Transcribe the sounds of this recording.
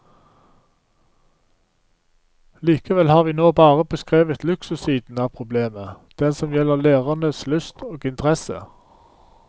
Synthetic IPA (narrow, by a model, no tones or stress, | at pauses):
liːkəʋɛlhɑːʁʋiːnoːbɑːʁəbəskʁeːʋət̪lʉksʉsiːd̪n̩ɑːpʰʁʊbleːmə | d̪̥ɛnsɔmjɛləʁleːʁɑnəslʉst̪ʰoːɡɪnt̪əʁɛsə̰